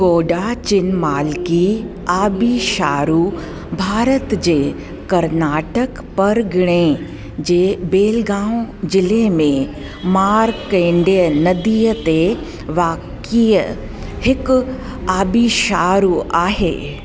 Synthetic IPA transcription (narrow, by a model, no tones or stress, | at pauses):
ɡoːɖat͡ʃɪnmaːlki | aːbiʃaːɾuː | bʱaːɾət̪d͡ʑeː | kɐɾnaːʈək | pɐɾɡɪɽ̃ẽ | d͡ʑeːbeːlɡãːwd͡ʒɪlemẽ | maːɾkẽːɳɖijənɐd̪iːət̪e | ʋaːk | ijə | hɪk | aːbiʃaːɾuaːɦḛː